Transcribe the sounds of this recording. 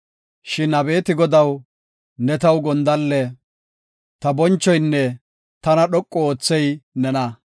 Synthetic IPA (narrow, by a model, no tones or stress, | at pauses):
ʃɪnɐbe̞ːt̪ɪɡɔd̪ɐw | nɛt̪ɐwɡɔnd̪ɐlːɛ | t̪ɐbɔnt͡ʃːɔjnːɛ | t̪ɐnɐɗɔkʼːɔoːt͡sːɛjnɛnɐ